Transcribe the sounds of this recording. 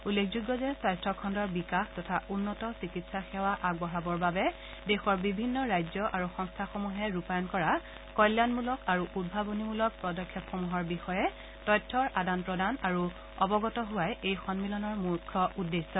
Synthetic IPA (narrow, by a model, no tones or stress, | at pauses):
ulːekʰzuɡːɔzɛsajstɹɔkʰɔndɔɹbikaxtɔtʰaʔunːɔtɔsikitsaxɛwaʔaɡɔɦabɔɹbabɛ | dɛxɔɹbibʱinːɔɹajd͡ʒɔʔaɹuxɔŋstʰaxomuɦɛɹupajɔnkɔɹa | kɔjljanmulɔkaɹuʔud̚bʱabonimulɔk̚pɹɔdɔkʰːjɔpxomuɦɔɹbixɔjɛ | tɔjtʰːɔɹʔadanpɹɔdanaɹu | ɔbɔɡɔtɔɦʊwajejxɔnmilɔnɔɹmukʰːɔʔudːesːɔ